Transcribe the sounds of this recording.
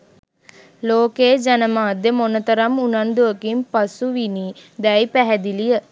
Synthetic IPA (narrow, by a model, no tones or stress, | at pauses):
loːkeːd͡ʒanəmaːd̪jəmonət̪əɾamunand̪uəkimpasuʋiniːd̪ɛjpæɦɛd̪ilijə